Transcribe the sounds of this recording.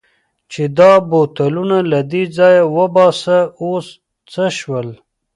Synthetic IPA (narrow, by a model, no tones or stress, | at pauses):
t͡ʃed̪ɑbot̪alunalad̪id͡zɑjawəbɑsaos | t͡səʃwəl